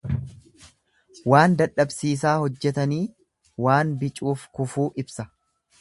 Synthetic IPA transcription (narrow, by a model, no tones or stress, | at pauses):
waːnd̪ɐᶑːɐbsiːs̬aːhɔd͡ʒːɛt̪ɐniː | waːnbɪt͡ʃʼuːfkʊfuːʔɪbsɐ